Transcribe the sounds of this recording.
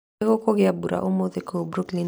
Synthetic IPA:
ɣokoɣeabuɾa̰ʔumoðekobɾuklin

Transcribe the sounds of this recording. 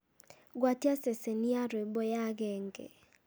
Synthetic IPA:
ɡwatjaseseniaɾebɔjaɡɛŋɡḛ

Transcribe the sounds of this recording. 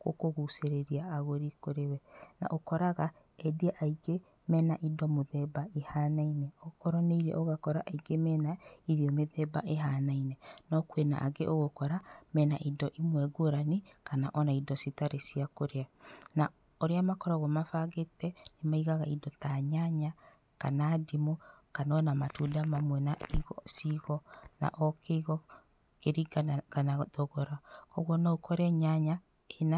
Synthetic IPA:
ɣo̰koɣuseɾeɾiaːɣoɾikoɾewɛna̰ʔokɔɾaɣa | ɛdiaʔaiɡe | mɛnaʔidɔmoðɛbaehaːnainɛɔkɔɾɔneiɾɛ̰ʔoɣakɔɾaʔaiɡemɛːnaiɾiɔmeðɛbaʔeɦanainɛnɔkwena̰ʔaɡeʔoɣokɔɾamɛːnaʔidɔʔimwɛɡoɾanekanaʔɔnaidɔsitaɾesiakoɾeana | oɾeamakɔɾɔɣɔmafaɣetɛnemaiɣaɣaidɔtaɲaɲa | kanadimɔkanɔnamatudamamwɛnaiɣɔsiɣɔna̰ʔɔkeiɣɔ | keɾiɡɡanaðɔɣɔɾakɔɣwɔnɔokʰɔɾɛɲaɲa | ena

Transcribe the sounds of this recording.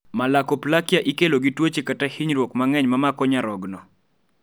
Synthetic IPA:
malakɔplakjaʔikeloɡitwot͡ʃekatahiɲɾwɔkmaŋɛɲmamakɔɲaɾɔɡnɔ

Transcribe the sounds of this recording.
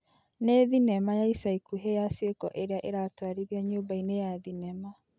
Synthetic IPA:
neðinɛmajaisaikuɦejasekɔ̰ʔeɾeaʔeɾatwaɾiɾiaɲoːbainejaðinɛma

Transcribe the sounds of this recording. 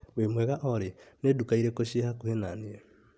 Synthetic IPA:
wemweɣaʔoɾenedukaiɾekoʃehakuhenanie

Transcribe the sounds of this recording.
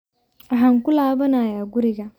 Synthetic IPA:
aɦaŋkʊlaːbɐnaːjaːɡʊɾɪɡa

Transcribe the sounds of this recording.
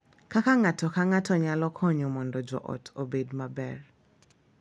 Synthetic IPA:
kakaŋatɔkaŋatɔɲalɔkʰɔɲɔmɔndɔd͡ʒɔ̰ʔɔ̰tʰobedmabɛr

